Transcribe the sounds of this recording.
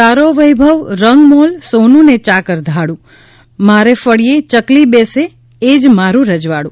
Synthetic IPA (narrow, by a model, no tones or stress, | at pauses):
aɾoʋəjbʱəʋɾəŋɡmolsonũnet͡ʃakəɾd̪ʱaɽũ | maɾefəɽijet͡ʃəklibese | ed͡ʒmaɾũɾəd͡ʒʋaɽũ